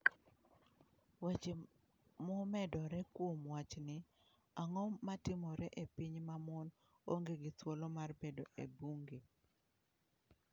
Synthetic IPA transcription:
wet͡ʃe | momɛdɔɾɛkwomwat͡ʃnɪ | aŋɔmatɪmɔɾɛʔepiɲmamɔn | o̰ŋɡeɡɪtwolomarbedoʔḛbuŋɡe

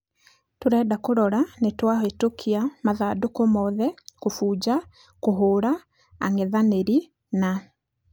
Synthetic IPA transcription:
toɾɛːdakoɾɔɾanetwahɔetokʰiamaðadokomɔðɛkofuːd͡ʑa | koɦoːɾa | a̰ŋɛðaneɾi | na

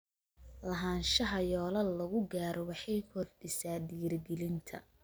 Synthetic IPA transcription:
lɐɦaːnʃɐɦɐjɔːlɐllɐɣʊɡaːɾɔwɑħɑjkʰɔd̪̚ɖɪsaːd̪iːrɡɛlɪnt̪ʰɐ̰

